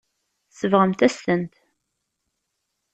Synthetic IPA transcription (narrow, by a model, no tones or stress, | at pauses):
səvʁəmt̪æslənt̪